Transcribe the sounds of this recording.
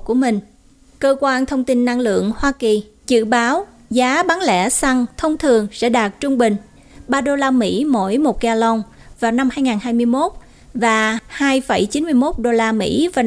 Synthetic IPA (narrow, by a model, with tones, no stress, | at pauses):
ku˧˩əmï˨˩ŋ̟ | kəː˧kwaː˧nt̪ʰə˧wŋ͡mt̪i˧nːa˧ŋlɨ̰˧˨əŋhwaː˧ki˨˩ | zɨ̰˧˨ɓaː˨˦w | zaː˨˦ɓa˨˦nlɛ̰˧˥sa˧ŋt̪ʰə˧wŋ͡mt̪ʰɨ˨˩əŋsɛ̰˧˥ɗaː˨˩t̚t͡ɕʊ˧ŋ͡mɓï˨˩ŋ̟ | ɓaː˧ɗo˧laː˧mḭ˧˥mo̰˧˥˨jmo˨˩t̚kaː˧lə˧wŋ͡m | vaː˨˩wna˧mhaː˧jŋaː˨˩nhaː˧jmɨ˧əjmo˦˥t̚ | vaː˨˩haː˧jfə̰˧˩jt͡ɕi˨˦nmɨ˧əjmo˦˥t̚ɗo˧laː˧mḭ˧˥vaː˨˩